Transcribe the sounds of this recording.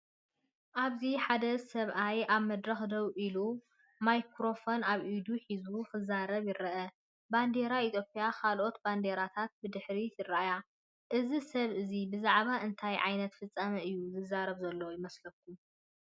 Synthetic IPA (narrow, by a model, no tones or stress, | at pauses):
ʔaβziħad̪ɐsɐβʔajʔaβmɐd̪ɾɐxd̪ɐβʔilu | majkʰɾo̞fo̞naβʔid̪uħizuxɨzaɾɐβjɪɾɐʔɐ | band̪e̞ɾait̪ʰjopʼijakʰalʔo̞t̪band̪eɾat̪ʰat̪̚bɨd̪ɨħɾijɨraʔja | ʔɨzisɐβʔɨzibɨzaʕβaʔɨnt̪ʰajʕa̰jnɐt̪fɨt͡sʼːamɐʔɨjːuzɨzːaɾɐβzɐlːojɪmɐslɐk̚ʰːu